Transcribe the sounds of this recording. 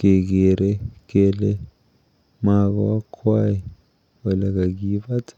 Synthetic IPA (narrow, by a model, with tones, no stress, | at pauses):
ɡ̥ɛ˨k̬ɛɾɛkɛlɛ | mak̬a̰˦wa˦kʰwaji˨ | wɛ˨la˨ka˨ɡ̬iβa˦tʰḁ˦